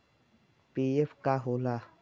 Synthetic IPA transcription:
piefkaɦola

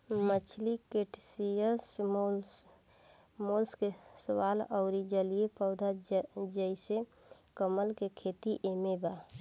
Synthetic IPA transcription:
mət͡ʃʰlikeʈsijəso | molskesəwalɔʊɾid͡ʒəlijepəʊd̪ʱad͡ʒəɪse | kəməlkekʰet̪iʔemeba

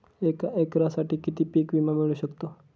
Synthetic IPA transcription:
ekaekɾasaʈiːkit̪iːpikʋimamiɭuːɕəkt̪o

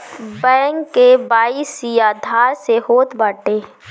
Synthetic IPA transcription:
bɛ̃ːŋkːebaːisijaːd̪ʱaːɾseɦoːt̪baːʈeː

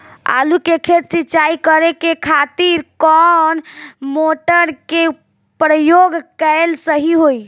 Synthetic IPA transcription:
a̰lukekʰet̪sit͡ʃaikəɾekekʰat̪iɾkɔnmoʈəɾke | pɾəjoɡkəelsəɦiɦoj

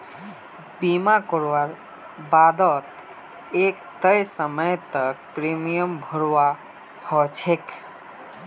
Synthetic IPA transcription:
bimakɔɾʋaɾ | bad̪ɔt̪ | eːkt̪əjsəməjt̪ək̚pɾemijəmbʱəɾʋa | hɔt͡ʃʰek

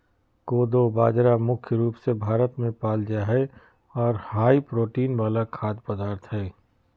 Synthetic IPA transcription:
koːd̪obaːd͡ʒɾamʊkʰjəɾuːpsebʱaːɾət̪mẽpaːld͡ʒaɦɛ | ɔːɾhaːipɾoːʈiːnbaːlakʰaːt̪̚bɐd̪aːɾt̪ɦɛː

